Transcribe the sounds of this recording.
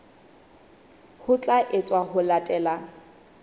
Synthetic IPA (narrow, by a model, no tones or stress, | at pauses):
hʊt͡ɬʼaʔɪt͡sʼwaɦʊlatʼɛːla